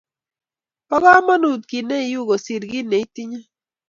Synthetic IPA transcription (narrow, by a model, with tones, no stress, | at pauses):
pɔ˦ɡa˦ma˦nu˨t̪̚ɡi˨ne˦i˨ju˦˨ɡo˨si˨ɾɡi˦ne˨i˦ti˦ɲa˦